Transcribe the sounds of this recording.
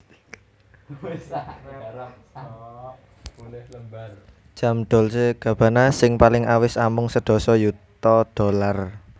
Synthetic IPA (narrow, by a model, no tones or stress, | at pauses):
llbl̥ | ʒ̥a̤mɖ̪̥ɔ̤lseɡ̥ä̤b̥a̤nasɪŋpalɪŋawɪsamʊŋsəɖ̥ɔ̤sɔjut̪ɔɖ̥ɔ̤lar